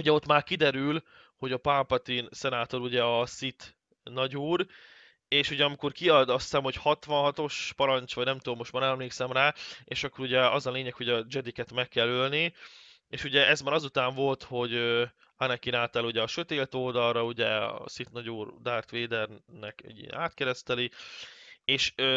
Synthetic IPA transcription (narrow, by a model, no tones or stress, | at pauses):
uɟɛo̞t̪ːmaːrkid̪ɛɾyl | ho̞ɟɒpampɒt̪insɛnaːt̪o̞ɾuɟɛɒsit̪ | nɒɟuːr | eːʃuɟɛɒmiko̞rkiɒd̪ɒst̪ɛmho̞chɒt̪ʋɒnɦɒt̪o̞ʃpɒɾɒnt͡ʃʋɒɟnɛmt̪uomːo̞ʃt̪mɒɾɛmleːksɛmraːḛːʃɒkːo̞ɾuɟɛɒzɒleːɲɛkho̞ɟɒd͡ʒɛd̪ikɛt̪mɛkːɛlølni | eːʃuɟɛʔɛzmaːɾɒzut̪aːɱvo̞lt̪ho̞ɟø | anɛkinaːt̪ɛluɟɛɒʃø̞t̪eːlt̪o̞ld̪ɒlrɒuɟɛɒ̰sit̪nɒɟuːrd̪aːrt̪ʋeːd̪ɛrnɛkɛ̰ɟḭnaːt̪kɛɾɛst̪ɛli | eːʃø